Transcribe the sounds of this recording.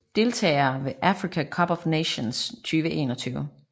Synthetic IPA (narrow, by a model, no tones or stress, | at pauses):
d̥e̝lt͡sʰɛ̰ːɪɐʋe̝ʔæfʁikʰækʰɒ̽b̥ɒʋneɕonst͡sʰyːʋəʔe̝̰ːnɒt͡sʰyːʊə